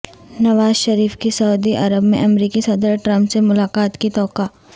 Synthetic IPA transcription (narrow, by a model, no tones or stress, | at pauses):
nɐʋaːzʃɐɾiːfkisɐud̪iʔɐɾəbmḛ̃ʔɐmɾiːkisɐd̪əɾʈɾɐ̃mpsemʊlaːkaːt̪kit̪ɔːkaː